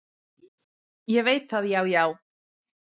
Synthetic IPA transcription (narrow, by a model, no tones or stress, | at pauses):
jɛvejt̪ʰaðjawjaw